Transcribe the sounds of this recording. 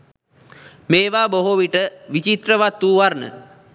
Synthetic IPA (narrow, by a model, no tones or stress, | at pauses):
meːʋaːboɦoʋiʈəʋit͡ʃit̪rəʋat̪ːuːʋarnə̰